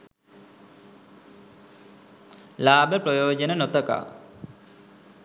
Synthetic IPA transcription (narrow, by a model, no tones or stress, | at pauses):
laːbəprojoːd͡ʒənənot̪əka̰ː